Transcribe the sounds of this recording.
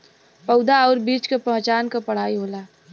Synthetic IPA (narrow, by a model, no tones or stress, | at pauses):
pəʊd̪aɔːɾbiːt͡ʃkepə̃ɦt͡ʃaːnkapəɽ̤aːiɦolaː